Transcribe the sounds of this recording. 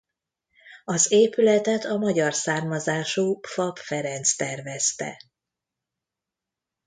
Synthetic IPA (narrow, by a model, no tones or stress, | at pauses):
ɒzeːpylɛt̪ɛt̪ɒmɒɟɒrsaːrmɒzaːʃuːfɒpfɛɾɛnt̪st̪ɛrvɛst̪ɛ̰